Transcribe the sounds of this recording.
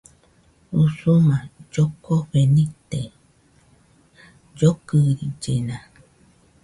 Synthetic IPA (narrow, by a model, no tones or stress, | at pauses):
usumãd͡ʒokoβenĩt̪e | d͡ʒokɨɾid͡ʒenã